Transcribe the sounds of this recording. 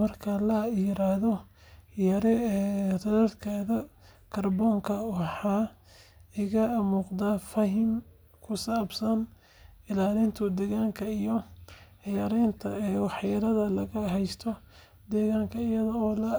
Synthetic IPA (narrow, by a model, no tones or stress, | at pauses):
mɐrkʰɐlɐiːɾaːhðɔ | jɐɾɛt̪ɐðɐd̪kʰaːðɐ | kʰɐrbɔːŋkʰɐwɑħaː | ɪɣɐɐmuːqd̪aːfɐɦɪm | kʰʊsaːbsɐn | ɪlaːlɪnt̪ʰʊd̪ɛɣaːŋkʰɐijɔ | jɐɾɛjnt̪ʰɐɛwɑħjɐɾɐðɐlɐɣɐɦɛjst̪ʰɔ | d̪ɛːɣaːŋkʰɐɪjɐðɔɔːlɐ